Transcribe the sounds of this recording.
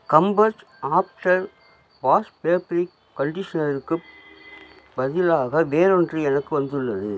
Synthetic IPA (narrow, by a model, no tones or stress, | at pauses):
kɐmbɐɾt͡ʃ | aːpʈɐɾ | ʋaːspeːpɾɪkːɐɳɖɪʂɐnɐɾɯkːɯ | bɐðɪlaːɣɐʋeːɾɔndrɯɛnɐkːɯʋɐnd̪ɯɭːɐðɯ